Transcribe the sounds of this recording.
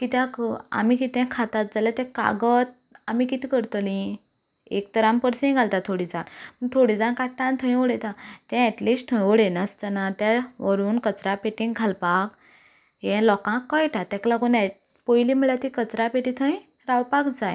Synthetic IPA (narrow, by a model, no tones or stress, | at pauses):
kit̪ãka̰mikit̪ɛ̃kʰat̪at̪̚d͡zaljat̪ɛ̃ka̰ɡət̪̚ | amikit̪ikəɾt̪əlĩ | ek̚t̪əɾãmpəɾsẽɡʱalt̪at̪ʰoɽid͡zanpət̪ʰoɽid͡zankaʈːãnt̪ʰə̃j̃oɽɛt̪ãt̪ɛ̃ɛʈlisʈ̚t̪ʰə̃j̃oɽenəst̪ənat̪jaʋəɾuːnkət͡sɾapeʈĩŋɡʱalpak | jɛ̃lɔkãkːɔjʈat̪ɛ̃klaɡuna | pojlim̤əɭjat̪ikət͡sɾapeʈĩt̪ʰə̃ĩ | ɾawpakd͡zaj